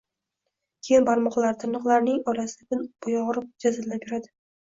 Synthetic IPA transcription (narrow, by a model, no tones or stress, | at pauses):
kʲʰejɪnbaɾmɒqlˠaɾt̪ʰɪnɨqlˠaɾnɪŋɒɾasɪd̪abɪnb̥ʊjɒʁɾɪp̚d͡ʒazalːaeɾad̪ɪ